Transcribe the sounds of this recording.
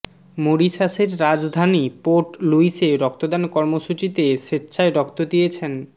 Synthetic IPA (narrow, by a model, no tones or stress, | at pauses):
moɾiʃaʃeɾɾad͡ʑd̪ʱanipoɾʈluiʃeɾɔk̚t̪od̪ankɔɾmoʃut͡ɕit̪eʃeːɕʰaeɾɔkt̪od̪ijet͡ɕʰen